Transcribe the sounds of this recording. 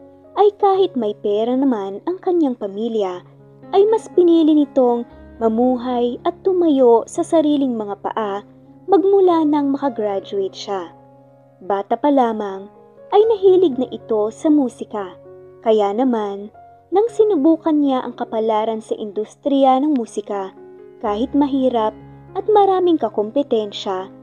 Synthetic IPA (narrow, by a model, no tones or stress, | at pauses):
ʔɐjkaːhɪt̪̚mɐjpɛːɾɐnɐmanɐŋkɐɲjaŋpɐmiːljɐ | ʔɐjmɐspɪniːlɪnɪt̪o̞ŋmɐmuːɦɐjɐt̪ːʊmɐjo̞sɐsɐɾiːlɪŋmɐŋapɐ̰ʔa | mɐɡ̚mʊlanɐŋmɐkɐɡɾad͡ʒʊɪt̪̚ʃa | baːt̪ɐpɐlaːmɐŋ | ʔɐjnɐɦiːlɪɡ̚nɐʔɪt̪o̞sɐmuːsɪkɐkɐjanɐmanː | ɐŋsɪnʊbuːkɐnɲaʔɐ̰ŋkɐpɐlaːɾɐnsɐʔɪ̰nd̪ust̪ɾianɐŋmuːsɪkɐ | kaːhɪt̪̚mɐɦiːɾɐp̚ | ʔɐt̪̚mɐɾaːmɪŋkɐkompɛt̪ɛnʃɐ